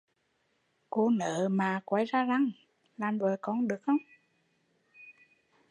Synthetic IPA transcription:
ko˧˦nəː˧˨maː˨˩ka˨˦jzaː˧za˧˩ŋ | laː˨˩mvəː˨˩kɔ˨˩˦nɗɨ˨˩ək̚xə˧˦wŋ͡m

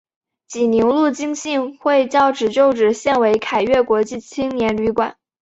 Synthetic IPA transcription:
t͡ɕi˨˩ni˧˥ŋlu˥˩t͡ɕi˥ŋɕi˥˧ŋxwe˥˧ɪt͡ɕjɑ˥˩ʊʈ͡ʂɻ̩˨˩ʈ͡ʂjo˥˩ʊʈ͡ʂɻ̩˨˩ɕjɛ˥˩nwe˧˥ɪkʰa˨˩ɪɥɛ˥˩kwɔ˧˥t͡ɕi˥˩t͡ɕʰi˥ŋnjɛ˧˥nly˧˥kwa̰˨˩˦n

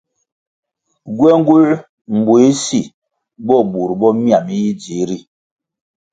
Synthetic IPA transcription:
ɡwɛ˦ŋ˦ɡu˦l | m̩˨bo˨i˦si˦˨ | bɔ˦˨bu˨ɾbɔ˦mi˦a˨mi˦ji˦d͡ʒi˨˦ɾi˦

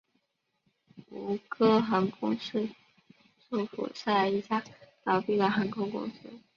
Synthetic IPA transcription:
u˧˥kʰɤ˥xa˧˥nkʰʊ˥ŋʂ̩˥˩ | ʈ͡ʂu˥˩fṵ˨˩sa˥˩i˧˩t͡ɕja˥t̪ɑ˨˩pi˥˩la˧˥˩xa˧˥nkʰo˥ʊkʊ̰˥ŋsɹ̩˥

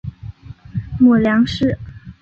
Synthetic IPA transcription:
mɔ˨˩ljɑ˧˥ŋʂɻ̩˥˩

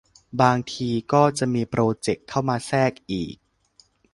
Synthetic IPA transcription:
baː˧ŋt̪ʰiː˧kɔː˥˩t͡ɕa˨˩ʔmiː˧pɾoː˧t͡ɕe˨˩kʰːa˥˩wmaː˧sɛː˥˩k̚ʔḭː˨˩k̚

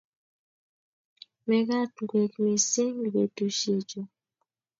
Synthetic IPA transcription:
mɛ˨ɣa˦˨tŋɡwe˨kme˨se˦ŋ˨be˨tu˨ʃe˨d͡ʒo˨

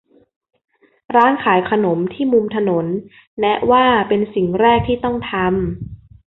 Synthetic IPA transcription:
ɾaː˦˥nkʰaː˩˦jkʰa˧no˩˦mt̪ʰiː˥˩mu˧mt̪ʰa˧no˩˦nː | ɛ˦˥ʔwaː˥˩pe˧nsi˨˩ŋɾɛː˥˩k̚t̪ʰiː˥˩t̪ɔ˥˩ŋt̪ʰa˧m

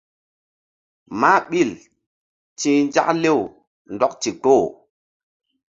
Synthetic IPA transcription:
ma˦ɓi˦˨l | tĩː˦nd͡ʒa̰˦kle˦˨w | ndɔ˦k̚ti˨to˦˨

